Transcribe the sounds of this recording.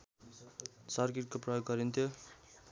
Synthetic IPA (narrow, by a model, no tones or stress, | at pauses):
sʌrkiʈkoprʌjoɡːʌɾint̪ʰjo